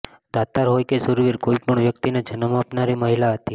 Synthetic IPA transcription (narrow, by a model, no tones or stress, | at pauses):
d̪̥at̪aɾɦojkesuɾʋiɾkoipəɳʋjək̚t̪inad͡ʒənəmaːpnaɾiməɦilaɦət̪i